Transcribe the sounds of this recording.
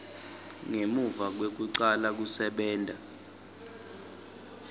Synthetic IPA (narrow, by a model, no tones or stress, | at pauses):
ŋemuvak̬wek̬uǀalak̬usɛɓɛːntʼa